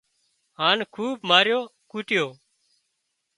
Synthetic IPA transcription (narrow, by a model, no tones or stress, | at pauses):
ɦaːnkʰuːbmaːɾjoːkuːʈɪjoː